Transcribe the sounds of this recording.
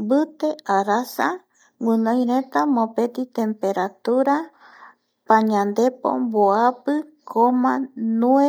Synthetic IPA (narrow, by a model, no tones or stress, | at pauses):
bɨt̪e̞aɾasa | wɨ̃nõj̃ɾẽ̞t̪amõpet̪it̪ẽ̞mpe̞ɾat̪uɾa | pãɲãnd̪e̞po̰mboapɨkʰomãnue